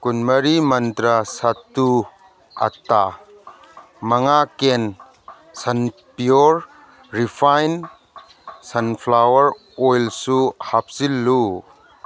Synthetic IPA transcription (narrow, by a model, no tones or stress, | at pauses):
kunmɐɾimɐnt̪ɾasɐt̪ːu | ʔɐ̰t̪ːa | mɐŋaken | sɐnpjɔɾ | ɾipʰajn | sɐnpʰlawɐɾ | ɔjlsuhap̚silːu